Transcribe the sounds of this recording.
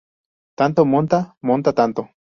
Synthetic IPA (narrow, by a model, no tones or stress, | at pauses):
t̪ant̪omont̪amont̪at̪ant̪o